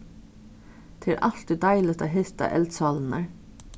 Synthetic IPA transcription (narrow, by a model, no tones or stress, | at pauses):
t̪ʰɪlʔɑlt̪ɪd̪ɑɪlət̪ɑhɪst̪ɑ̰ʔɛ̰ld̪sɑːln̩əɹ